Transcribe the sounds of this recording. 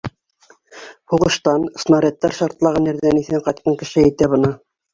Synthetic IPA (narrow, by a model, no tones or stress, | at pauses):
huʁɤ̆ʃt̪ɑnsnɑɾʲet̪ːæɾʃɑɾt̪lˠɑʁɤnæ̆ɾðæniθæɴqɑjt̪̚qɑŋkɘ̆ʃɘæjt̪æβɤ̆nɤ